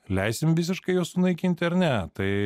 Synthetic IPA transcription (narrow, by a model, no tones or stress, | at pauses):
lʲɛɪsʲɪmʋʲɪsʲɪʃkɐɪjuːssʊnɐɪkʲinʲt̪ʲɐɾnʲæt̪ɐɪ